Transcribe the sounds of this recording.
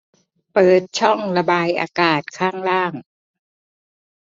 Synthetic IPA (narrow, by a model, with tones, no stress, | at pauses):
pɤː˨˩t̪̚t͡ɕʰɔ˥˩ŋɾa˧baː˧jʔa̰ː˧kaː˨˩t̪̚kʰaː˥˩ŋɾaː˥˩ŋ